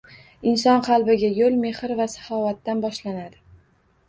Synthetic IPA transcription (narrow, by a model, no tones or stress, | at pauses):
ɪnsɒnqʰɑlˠbɪɡʲajolˠme̞hɪɾvasḁfɒvat̪ːanbɒʃlanad̪ɪ